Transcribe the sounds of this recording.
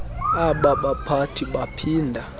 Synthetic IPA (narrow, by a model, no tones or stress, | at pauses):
aɓaɓapʰatʰiɓapʰiːndʱa